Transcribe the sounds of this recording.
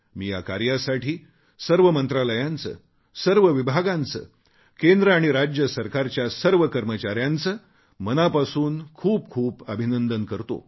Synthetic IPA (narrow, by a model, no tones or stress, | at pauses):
miːja̰ka̰ɾjasaʈʰiː | səɾʋəmənt̪ɾaləjãnt͡sə̰ː | səɾʋəʋibʱaɡãnt͡sə̰ː | kend̪ɾəaɽ̃iɾad͡ʑjəsəɾkaɾt͡ɕjasəɾʋəkəɾmət͡ɕaɾjant͡səː | mənapasuːnkʰuːp̚kʰuːpəbʱinənd̪ənkəɾt̪o̰